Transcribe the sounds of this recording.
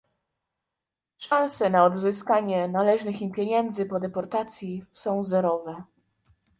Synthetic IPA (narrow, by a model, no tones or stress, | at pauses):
ʂãw̃sɛnaɔd̪zɘskaɲɛnalɛʐnɘxipʲjeɲɛnd̪zɘpɔd̪ɛpɔɾt̪at̪sʲjisɔ̃w̃zɛɾɔvɛ